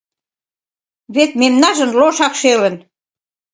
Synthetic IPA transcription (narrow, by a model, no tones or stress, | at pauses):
βet̪memnɑʒə̆nloʃɑkʃelə̆n